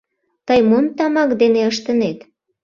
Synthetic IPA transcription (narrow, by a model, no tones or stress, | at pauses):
t̪əjmomt̪ɑmɑkd̪eneəʃt̪ənet̪